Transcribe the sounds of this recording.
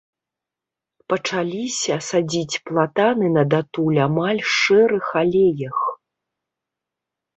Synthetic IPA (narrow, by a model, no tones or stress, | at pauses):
pɐt͡ʂalʲisʲɐsad͡zʲit͡sʲplˠat̪anɨnɐd̪at̪ulʲamalʲʂɛɾɨxalʲejɐx